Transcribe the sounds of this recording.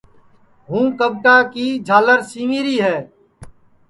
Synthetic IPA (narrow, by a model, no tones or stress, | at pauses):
ɦũːkəbʈaːkiːd͡ʒʱaːləɾsiːŋiːɾiːɦɛː